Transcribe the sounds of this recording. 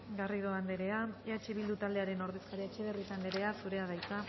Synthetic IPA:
ɡariðoand̪eɾe̞aeat͡ʃe̞βild̪ut̪ald̪e̞aɾe̞no̞ɾðe̞skaɾiet͡ʃe̞βerisand̪eɾe̞asuɾe̞að̞ajt͡sa

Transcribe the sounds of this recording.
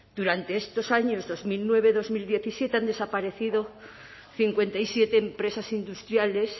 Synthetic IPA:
d̪̥uɾant̪e̞est̪o̞saɲo̞zðo̞zmilnwe̞β̞e̞ðo̞zmild̪je̞θisjet̪eand̪e̞sapaɾe̞θiðo̞ | θiŋkwe̞nt̪aisjet̪eːmpɾe̞sasind̪ust̪ɾjale̞s

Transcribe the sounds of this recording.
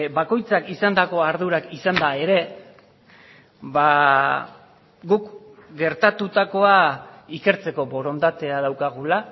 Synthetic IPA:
bako̞jt͡sakisand̪ako̞aɾðuɾakisand̪ae̞ɾe̞ | βa | ɡukɡe̞ɾt̪at̪ut̪ako̞aike̞ɾt͡se̞ko̞bo̞ɾo̞nd̪at̪e̞aðawkaɣ̞ula

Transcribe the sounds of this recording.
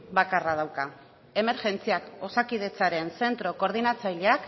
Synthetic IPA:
bakarað̞awka | e̞me̞ɾʝe̞nt͡siako̞sakið̞e̞t͡saɾe̞nse̞nt̪ɾo̞ko̞ɾð̞inat͡saʎeak

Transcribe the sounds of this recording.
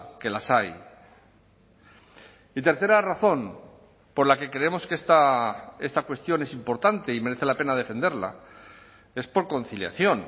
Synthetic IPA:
ke̞lasaj | it̪e̞ɾθe̞ɾaraθo̞m | po̞ɾlake̞kɾeemo̞skest̪ae̞st̪akwe̞st̪jo̞ne̞simpo̞ɾt̪ant̪e̞ime̞ɾeθe̞lape̞naðe̞fe̞nd̪e̞ɾla̰ | e̞spo̞ɾko̞nθilja̰θjo̞n

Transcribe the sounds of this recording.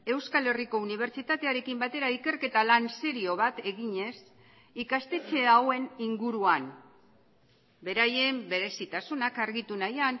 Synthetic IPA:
e̞wskale̞riko̞uniβ̞e̞ɾt͡ʃit̪at̪e̞aɾe̞kimbat̪e̞ɾaike̞ɾke̞t̪alanse̞ɾio̞βat̪e̞ɣiɲe̞s | ikast̪e̞t͡se̞awe̞niŋɡuɾuan | be̞ɾaje̞mbe̞ɾe̞sit̪asunakaɾɣit̪unajan

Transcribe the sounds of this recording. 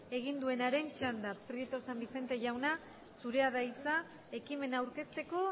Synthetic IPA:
e̞ɣ̞ind̪ue̞naɾe̞nt͡ʃand̪apɾet̪osambise̞nt̪e̞ʝawna | suɾe̞aðajt͡sa | e̞kime̞nawɾke̞st̪e̞ko̞

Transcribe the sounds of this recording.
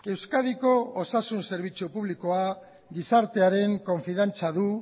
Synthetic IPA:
e̞wskaðiko̞ːsasunse̞ɾβ̞it͡supuβliko̞a | ɡisaɾt̪e̞aɾe̞ŋko̞ɱfiðant͡saðu

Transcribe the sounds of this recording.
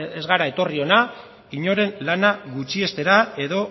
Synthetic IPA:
e̞zɣaɾaet̪o̞rio̞na | iɲo̞ɾe̞nlanaɣut͡ʃie̞st̪e̞ɾae̞ðo̞

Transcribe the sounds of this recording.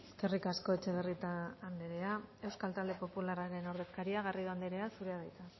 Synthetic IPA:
skerikasko̞e̞t͡ʃe̞βerit̪aːnd̪eɾe̞ae̞wskalt̪ald̪e̞po̞pulaɾaɾe̞no̞ɾðe̞skaɾiaɣ̞ariðuand̪eɾe̞asuɾeaðajt̪a

